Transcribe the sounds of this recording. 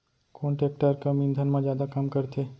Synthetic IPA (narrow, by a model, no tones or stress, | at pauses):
koːɳʈeːk̚ʈəɾkamĩnd̪ʱənmãd͡ʒjaːd̪akɐmkɐɾt̪ʰeː